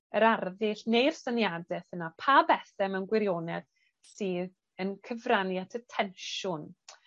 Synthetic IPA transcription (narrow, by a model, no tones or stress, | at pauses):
əɾarðɪɬnejrsanjadɛθənapʰabɛθɛmənɡwɪɾjoːnɛð̥ | sɨð | ənkʰəvranjatʰətʰɛnʃʊn